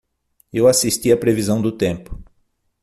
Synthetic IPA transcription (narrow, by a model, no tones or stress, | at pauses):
ewasist̪iɐpɾevizɐ̃w̃d̪ʊt̪ẽmpʊ̥